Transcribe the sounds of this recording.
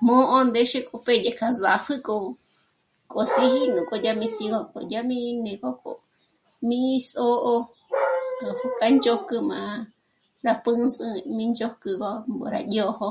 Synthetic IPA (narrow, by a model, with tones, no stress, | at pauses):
mõ˦ʔo˦nd̪e˦ʃe˦kʼo˧pe˦je˧˨kʰa˧za˨ɸɨ˦ko˧ | kʼo˨si˦ɦi˦nũ˨kʼo˧ja˦mĩ˧si˧ɣo˧ko̰˨ja˦mĩ˦˧nẽ˨ko˦ko̰˨ | mĩ˦˧so˦ʔo˧˨ | hka˦nd͡ʒo˦kɨ˧mã̰˨˧ | ɾa˧pɨ̃˦sɨ̃˧mĩ˦˧nd͡ʒo˦kɨ˧ɣo˧mo̰˨ɾa̰˧jo˧ho˧